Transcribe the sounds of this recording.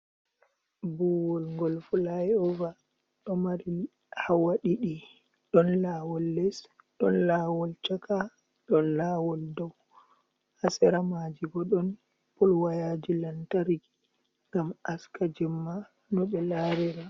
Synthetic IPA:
buwɔlŋɡɔlfulajɛɔva | ɗɔmaɾi | hawaɗiɗi | ɗɔnlawɔlːɛs | ɗɔ̰nlaːwɔlt͡ʃaka | ɗɔnlaːwɔldɔw | hasɛɾamad͡ʒiɡɔɗɔn | pɔlwajad͡ʒilantaɾɡi | ŋɡamaskad͡ʒɛmːa | nɔɓɛlaɾiɾa

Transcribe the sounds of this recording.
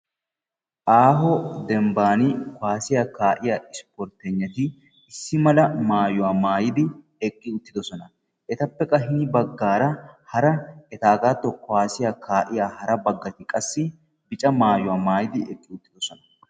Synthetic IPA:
ʔaːɦɔd̪ɛmbaːnɪkʊwaːsɪjakaːʔɪjaːɪspɔɾt̪ɛɲːɐt̪ɪ | ɪsːɪmɐlɐmaːjʊwaːmaːjɪd̪ɪ | ɛkʼːɪʊt̪ːɪd̪ɔsɔnɐ | ʔɛt̪ɐpːɛkʼːɐɦɪnɪbɐɡːaːɾɐhɐɾɐɛt̪aːɡaːt̪ːɔkːɔaːsɪjakʰaːʔɪjaːhɐɾɐbɐɡːɐt̪ɪkʼɐsːɪ | bɪt͡ʃʼɐmaːjʊwaːmaːjɪd̪ɪɛkʼːɪʊt̪ːɪd̪ɔsɔnɐ

